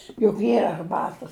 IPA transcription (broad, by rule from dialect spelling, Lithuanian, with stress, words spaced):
jʊk ˈiːrɐ ɐrˈbɑːtɐs